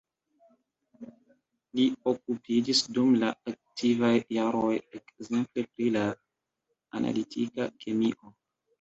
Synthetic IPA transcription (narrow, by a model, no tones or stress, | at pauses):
lio̞k̚upʰid͡ʒisdumlaak̚tʰivajːaɾo̞je̞kze̞mple̞pɾila | ana̰litʰikakʰe̞miʔo̞